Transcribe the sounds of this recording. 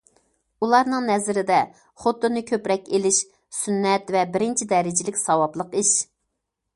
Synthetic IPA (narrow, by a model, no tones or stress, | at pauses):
ulˠɑɾnɨŋnɛzɪɾɪd̪ɛ | χot̪ːʊnɨkʲʰøpɾɛkʲelɪʃ | synːɛt̪vɛbɪɾɪnt͡ʃʰid̪ɛɾɪd͡ʒɪlɪkʲsɑwɑblˠəqiʃ